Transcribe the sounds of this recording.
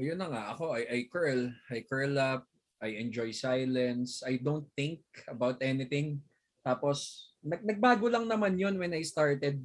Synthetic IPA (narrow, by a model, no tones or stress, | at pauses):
jʊnːɐŋaʔɐko̞ʔɐjʔɐjkɛɹlɐjkɛɹlɐp̚ | ʔɐjɛnd͡ʒojsajlɛnsʔajd̪ont̪θɪ̃ŋk̚ɐbawt̪ɛnɪt̪ɪ̃ŋ | t̪aːposnɐɡ̚nɐɡ̚baːɡolɐŋnɐmanjonwɛnajst̪aɹt̪ɛd̪̚